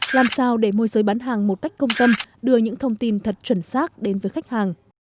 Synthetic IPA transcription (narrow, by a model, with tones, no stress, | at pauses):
laː˨˩msaː˧wɗe˧˩mo˧jzəː˨˦jɓaː˨˦nɦaː˨˩ŋmo˨˩ka˦˥jk̟̚kə˧wŋ͡mt̪ə˧mɗɨ˧əɲɨ̰˧˥ŋt̪ʰə˧wŋ͡mt̪i˧nt̪ʰə˨˩t̚t͡ɕwə˧˩nsaː˦˥k̚ɗe˨˦nvəː˨˦jxa˦˥jk̟̚haː˨˩ŋ